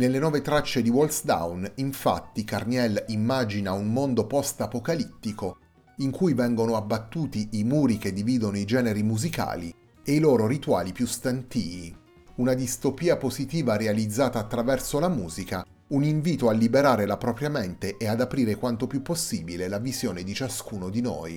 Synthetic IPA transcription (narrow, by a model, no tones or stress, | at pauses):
nelːenwɔːvet̪ɾat͡ʃːed̪iwolsd̪a̰wniɱfa̰t̪ːikarnɛlimːad͡ʒinaunmond̪opɔst̪apokalit̪ːiko | iŋkujvɛŋɡonoabːat̪ːuːt̪iʔːmuːɾik̟ed̪ːiviːd̪onoid͡ʒɛːneɾimuzika̰ːlḭ | eiloːɾoɾit̪wa̰ːlipjust̪ant̪iːvi | unad̪ist̪opiːapozit̪iːvaɾealid̪zːaːt̪aːt̪ːɾavɛrsolamuːzika | uniɱviːt̪oalːibeɾaːɾelapɾɔpɾjament̪eʔead̪apɾiːɾekwant̪opjupːosːiːbilelavizjoːned̪it͡ʃaskuːnod̪ino̰ːj